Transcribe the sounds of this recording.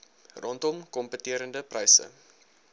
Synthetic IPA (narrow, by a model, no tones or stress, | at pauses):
rʔɔntɔmkɔmpətiəɾəndəprɐjsə̰